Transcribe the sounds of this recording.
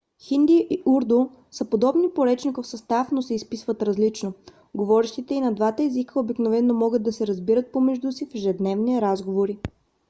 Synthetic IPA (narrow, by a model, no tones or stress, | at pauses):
xind̪iʔiʔuɾd̪o | səpod̪ɔbnipoɾɛt͡ʃnikofsɐst̪afnosɛispisvət̪ɾɐzlit͡ʃno | ɡovɔɾɛʃt̪it̪ɛinɐd̪vat̪əɛzikəobiknovɛnːomɔɡəd̪̚ːɐsɛɾɐzbiɾət̪̚pomɛʒd̪usifɛʒɛd̪nɛvniɛɾazɡovoɾi